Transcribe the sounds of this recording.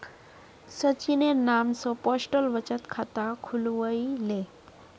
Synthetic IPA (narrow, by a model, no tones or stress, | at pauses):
sət͡ʃinenamsɔpɔsʈəlʋət͡ʃət̪kʰat̪akʰulʋəile